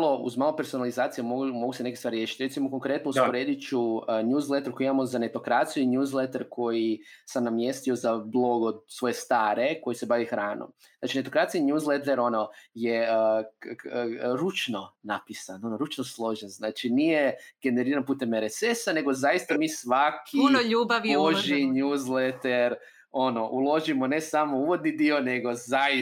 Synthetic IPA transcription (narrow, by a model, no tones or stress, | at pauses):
lˠoṵzmaːlope̞ɾso̞nalizaːt̪sijamomoɡusenekist̪aɾje̞ʃi̥t̪ʲɾesimo̞ko̞ŋkɾe̞t̪nouspoɾed̪it͡ʃuəɲʲuːzlˠet̪eɾkojimamo̞zane̞t̪o̞kɾat̪sijuinjuːzlˠet̪eɾkʰo̞jisamnamje̞st̪io̞zablˠo̞ɡod̪sʋo̞jest̪aːɾe̞ko̞jise̞baʋixɾaːno̰m | znaːt͡ʃine̞t̪o̞kɾat̪sijiɲjuːzlˠet̪eɾo̞no̞je | ɾut͡ʃno̞napisanonoɾut͡ʃnoslˠo̞ʒenznaːt͡ʃinije̞ɡ̥e̞neɾiːɾanpuːt̪e̞meɾesesane̞ɡo̞zajist̪amiːsʋakʰiunoʎuːbaʋioʒiɲuːzlet̪eɾ | o̞no̞ʔulˠo̞ʒimo̞ne̞samouʋo̞d̪nid̪io̞neɡo̞zai